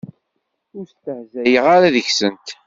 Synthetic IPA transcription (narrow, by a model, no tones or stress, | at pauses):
ʊɾst̪ːəʕzæjəʁaɾaðəçsənt̪